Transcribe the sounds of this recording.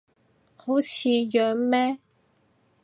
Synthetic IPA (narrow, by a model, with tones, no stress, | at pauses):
ho˨˥wt͡sʰiː˨˧jœː˨˧ŋmɛː˥